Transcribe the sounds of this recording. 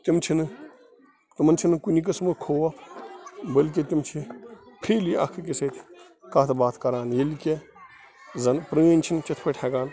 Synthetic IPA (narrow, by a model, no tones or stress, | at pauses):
t̪imt͡ʃʰinɨ | t̪umɐnt͡ʃʰinɨkunik̬ɐsmɨkʰoːwɐ | bəlk̬it̪imt͡ʃʰipʰiːliɐ̰kʰɨkiseːt̪ʲʰ | kaːt̪ʰɐbaːt̪ʰkɐɾaːnjelkʲe | zɐnpɾəːnʲt͡ʃʰint͡ʃɐt̪ʰpʰɐʈʰʲeːɡaːn